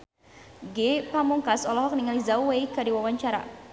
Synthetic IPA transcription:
ɡepamuŋkasɔlɔɦɔk̚niŋalizawwejkadiwawaɲt͡ʃaɾa̰

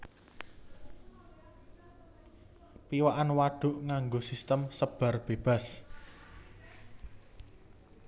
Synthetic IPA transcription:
piwaʔanwaɖ̥ʊ̤ʔŋaŋɡosist̪əmsəb̥a̤rb̥eb̥a̤s

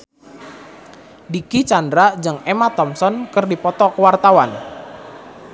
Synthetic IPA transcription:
dikit͡ʃandɾad͡ʒəŋemat̪ɔmsɔnkərdipɔt̪ɔkəwart̪awan

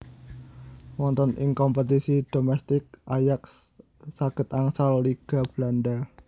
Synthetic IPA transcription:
wɔnt̪ɔnʔɪŋkɔmpət̪isid̥omɛst̪ɪk̚ʔajaksː | aɡ̥ə̤t̪aŋsalːiɡ̥a̤b̥landa

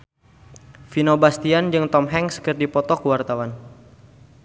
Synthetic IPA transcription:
finobast̪iand͡ʒɨŋt̪ɔmɦɛŋskɨrdipɔt̪ɔkuwart̪awan

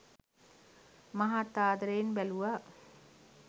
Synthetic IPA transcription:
maɦat̪ːaːd̪ɾejnbæluʋa

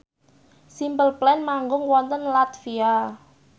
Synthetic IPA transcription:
simpəlplɛnmaŋɡʊŋwɔnt̪ənlat̪fia

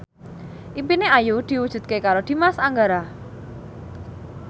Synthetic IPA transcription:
ʔimpineajud̪̥i̤wud̥ʒ̥ṳt̪̚kekaɾod̪̥i̤masaŋɡaɾa

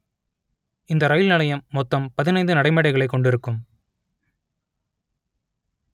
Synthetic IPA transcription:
ɪnd̪ɐɾɐjɪlnɐlɐjɐmːɔt̪ːɐmpɐðɪnɐɪnd̪ɯnɐɽɐɪmɛːɽɐɪɣɐɭɐɪkːɔɳɖɪɾɯkːɯm

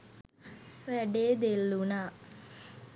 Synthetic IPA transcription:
ʋɛɖeːd̪elːuna

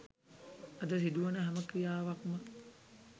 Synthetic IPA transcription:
ɐd̪ɐsid̪uʋɐnəɦɐməkɾijaːʋakumə

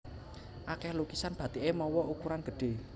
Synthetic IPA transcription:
ʔakɛhlukisanb̥ä̤t̪eʔemɔwɔʔukuɾanɡ̥ə̤ɖ̥e̤

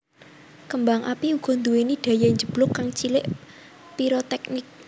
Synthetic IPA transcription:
kəmbaŋʔapiuɡ̥ɔ̤nd̪uweniɖ̪̥ä̤jaɲd͡ʒəb̥lʊkːaŋt͡ʃilɪʔ | piɾot̪ɛknɪk̚

